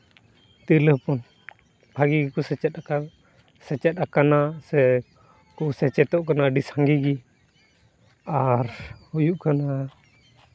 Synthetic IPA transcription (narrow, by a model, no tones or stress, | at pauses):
t̪iləhpɔn | bʱaɡiɡikɔsɛt͡ʃɛt̪̚aka | sɛt͡ʃɛt̪̚akanasɛ | kɔsɛt͡ʃɛt̪ɔʔkanaɖisaŋɡiɡi | aɾhujuʔkana